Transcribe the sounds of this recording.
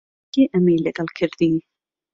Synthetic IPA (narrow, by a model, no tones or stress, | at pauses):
iʔəmejlˠɪɡalˠkʰɪrðiː